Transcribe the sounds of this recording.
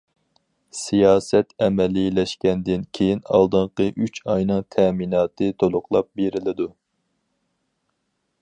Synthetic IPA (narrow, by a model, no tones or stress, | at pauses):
sijɑːsɛt̪ɛmɛlilɛʃkʲɛnd̪ɪnkʲʰejinɑ̰lˠd̪ɨɴqəʔyt͡ʃɑjnɨŋt̪ʰɛminɑːt̪ʰɨt̪ʰolˠʊχlˠɑp̚beɾɪlɪd̪u